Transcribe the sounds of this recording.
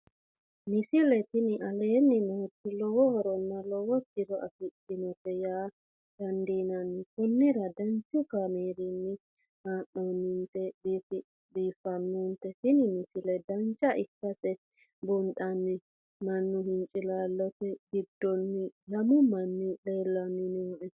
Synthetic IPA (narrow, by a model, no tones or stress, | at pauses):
mɪsɪlɛt̪ɪnɪʔɐleːnːɪnoːt̪ːɪlɔwɔhɔɾɔnːɐlɔwɔkɪɾɔʔɐ̰fɪt̪ːɪnɔpɛjaː | d̪̥ɐnd̪iːnɐnːɪkʊnːɪɾɐd̪ɐnt͡ʃːʊkameːɾɪnːɪ | haːʔɔnːʊnt̪ɛɗiːfɪ | ɗiːfɐnːɔnt̪ɛhɪnɪmɪsɪlɛd̪ɐnt͡ʃːɐʔɪkːɐsʼɛ | bʊnɗɐnːɪ | mɐnːʊɦɪnt͡ʃʼɪlaːlːɔtɛɡɪd̪ːɔnːɪlɐmʊmɐnːɪɗeːlːɐnːɪnɔʔɛ